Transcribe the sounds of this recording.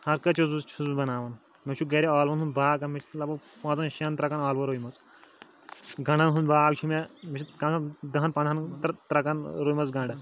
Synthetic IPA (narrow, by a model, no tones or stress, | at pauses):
hɐɾkɐt͡ʃʰuzut͡ʃʰuzbɐnaːʋɐn | met͡ʃʰuɡɐɾʲiaːlʋɐnɦunbaːkɐmit͡ʃʰi̥t̪lɐpupɐ̃ːt͡sɐnʃɐnt̪ɾɐkɐnaːlʋɐɾojmɐt͡s | ɡɐɳɖɐnɦunbaːɡt͡ʃʰumemit͡ʃʰit̪kɐɐd̪ɐɦɐnpɐ̃nʱɐnt̪t̪ɾɐkɐnɾoːjmɐt͡sɡɐ̃ɳɖɐ